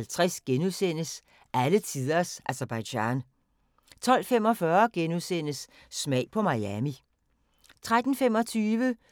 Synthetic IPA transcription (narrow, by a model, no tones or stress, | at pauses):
lt͡sʰʁasɡ̥enusen̰əs | ʔælət͡sʰiðˠɐsʔæsɐb̥ɑ̈ɪɕɑ̰n | t͡sʰɒ̽l̰fem̰ɒ̽fɶɐɡ̥enuðˠsen̰əsː | mɛ̰ɪ̰pʰɒ̽mɑ̈jæmi | t͡sʰʁad̥n̩fem̰ɒ̽t͡sʰyːʋə